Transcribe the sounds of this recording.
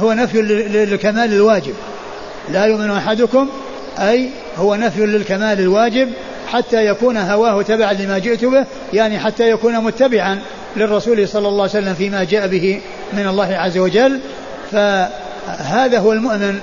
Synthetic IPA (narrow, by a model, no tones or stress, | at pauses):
hʊwanafjɪlkamaːlɪlwaːd͡ʒɪb̚ | lajʊʔmɪnuʔaħad̪ʊkʊm | ʔaj | hʊwanafjʊlɪlkamaːlɪlwaːd͡ʒɪb | ħat̪ːajakuːnɦawaːhʊt̪abaʕanlɪmad͡ʒɪʔt̪ʊbɪh | jaʕniħat̪ːajakuːnamʊt̪ːabɪʕan | lɪrˤːɑsuːlhsˤɑlːɑlˤːɑːwjsalːamfiːmad͡ʒaːʔabɪhɪ | mɪnɑlˤːɑːhɪʕazːawad͡ʒal | fa | haːðaɦʊwalmʊʔmɪn